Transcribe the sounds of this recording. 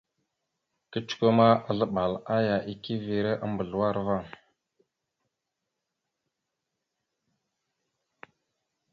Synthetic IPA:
kə˦t͡ʃko˦ma˦a˨ɮə˦ɓa˨la˦ja˨ʔi˦ki˦vi˨ɾe˦ʔa˦mbə˨ɮwa˦ɾva˦˨

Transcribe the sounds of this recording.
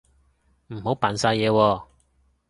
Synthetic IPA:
m̩˨˩ho˨˥wpaː˨nsaː˧jɛː˨˧wɔː˧

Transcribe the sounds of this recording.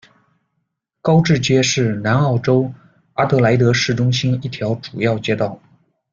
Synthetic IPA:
kɑ˥ʊʈ͡ʂɻ̩˥˩t͡ɕɥɛ˥ʂɻ̩˥˩na˧˥nɑ˥˩ʈ͡ʂo˥ʊ | a˥t̪ɤ˧˥la˧˥ɪt̪̬ɤ˧˥ʂɻ̩˥˩ʈ͡ʂʊ˥ŋɕi˥ni˥˩t̪ʰjɑ˧˥ʊʈ͡ʂu˨˩jɑ˥˩ʊt͡ɕjɛ˥t̪ɑ˥˩ʊ

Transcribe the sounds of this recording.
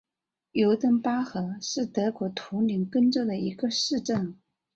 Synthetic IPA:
jo˧˥ʊt̪ə˥ŋpa˥xɤ˧˥ʂɻ̩˥˩t̪ɤ˧˥kwɔ˧˥t̪ʰu˧˥ni˧˥ŋkə˥nt͡so˥˩d̪ə˩i˧˥ɡə˧ʂɻ̩˥˧ʈ͡ʂə˥˩n

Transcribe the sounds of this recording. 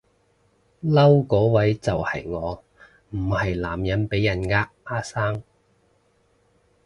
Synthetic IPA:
lɐ˥wkɔː˨˥wɐ˨˥jt͡sɐ˨whɐ˨jŋɔː˨˧ | m̩˨˩hɐ˨jlaː˨˩mjɐ˨˥npe˨˥jɐ˨˩nkaː˧ | aː˥saː˥ŋ

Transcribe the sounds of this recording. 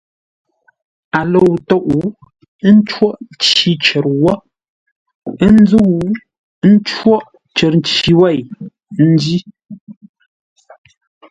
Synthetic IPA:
a˨lo˨wtɔ˦˨ʔu˨˦ | n̩˦t͡ʃwɔ˦ʔn˦t͡ʃi˦t͡ʃɛ˨ɾwɔ˦ | ə˦n˦d͡zu˦u˨˦ | n̩˦t͡ʃwɔ˦ʔ | t͡ʃə˨ɾn˦t͡ʃi˨wɛ˦˨j | n̩˦di˦

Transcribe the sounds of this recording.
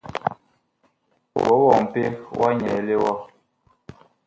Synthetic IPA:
wɔ̰˨˦wɔ˨ŋ˨pe˦wʔa˦ɲɛ˨le˦wɔ˦

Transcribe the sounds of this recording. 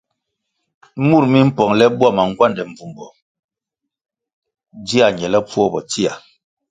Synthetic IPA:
mu˦˨ɾmi˦m̩˦pɔ˨ŋlɛ˦bwa˦˨ma˨ŋ̩˦ɡwa˦ndɛ˨ɱ̩˨vu˨mbɔ˨ | di˦a˨ɲɛ˨lɛ˦p͡fɔ˦bɔ˨ti˦a˨

